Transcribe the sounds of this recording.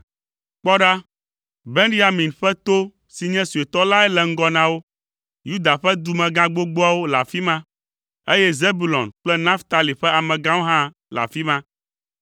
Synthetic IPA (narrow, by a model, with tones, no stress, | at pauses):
k͡pɔ˦ɖa˦ | be˦nɖi˦a˨mĩ˨nɸɛ˦t̪o˦ | si˨ɲɛ̃˦su˨e˨t̪ɔ˦la˦ɛ˦lɛ˨ŋ̩˦ɡɔ˦nã˦wo˦ | ju˦d̪a˨ɸɛ˦d̪u˦mɛ̃˨ɡã˦ɡ͡bo˦ɡ͡bo˦a˦wo˦la̰˨fi˦mã˦ | e˦jɛ˦ze˦bu˨lɔ̰̃˨nk͡plɛ˦nã˦ft̪a˨li˨ɸɛ˦a˨mɛ̃˨ɡã˦wo˦ɦã˦ | la̰˨fi˦mã˦